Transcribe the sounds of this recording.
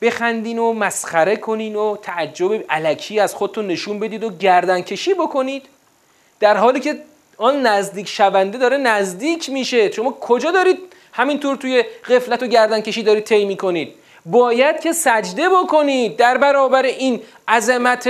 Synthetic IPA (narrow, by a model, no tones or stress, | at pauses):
b̥e̞xænd̪iːnomæsχæɾe̞kʰo̞niːnot̪ʰææd͡ʒːo̞beʔælæcʰiːæz̥xod̪et̪unːe̞ʃunbe̞d̪iːd̪oɟæɾd̪æncʰe̞ʃiːbo̞kʰo̞niːd̪̥ː | æɾɦɒːliːce̞ | ɒːnːæzd̪iːcʰʃævænd̪e̞d̪ɒːɾe̞næzd̪iːcʰmiːʃe̞ʃo̞mɒːkʰo̞d͡ʒɒːd̪ɒːɾiːd̪̥̚ | hæmint̪ʰuːɾt̪ʰuːje̞ɣe̞flæt̪oɟæɾd̪ænce̞ʃiːd̪ɒːɾid̪̚t̪ʰejmiːko̞niːd̪̚ | bɒːjæd̪̥̚cʲʰe̞sæd͡ʒd̪e̞bokʰo̞niːd̪̚ːæɾbæɾɒːbæɾeʔin | æzemæt̪ʰ